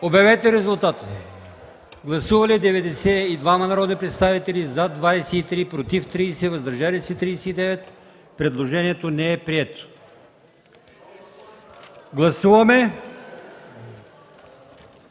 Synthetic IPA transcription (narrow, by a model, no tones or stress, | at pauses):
objɐvɛt̪ɛɾɛzʊlˠt̪at̪ə̥ | ɡlˠɐsuvɐlid̪ɛvɛd̪ɛsɛid̪vamɐnɐɾɔd̪nipɾɛt̪st̪avit̪ɛlizad̪vajsɛit̪ɾipɾot̪ift̪ɾiːsɛvɐzd̪ɐɾʒalisɛt̪ɾiːsɛid̪ɛvɛt̪ | pɾɛd̪lˠoʒɛniɛt̪onɛɛpɾiɛt̪o̥ | ɡlˠɐsuvɐmɛ